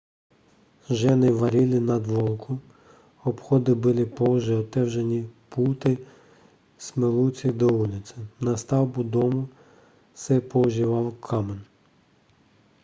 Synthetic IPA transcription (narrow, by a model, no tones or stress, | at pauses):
ʒɛnɪʋɐɾʲilʲɪnɐd̪ʋɔlˠkʰʊ | ɔbxɔd̪ɪbɪlʲˠɪpɔwʒɛɔt̪ɛwʒenʲiput̪ɪ | smelˠut͡sʲid̪ɔulʲɪt͡sʲɐnɐst̪ɑwbʊd̪ɔmʊ | sɛpɔwʒiʋɑwkʰɑmen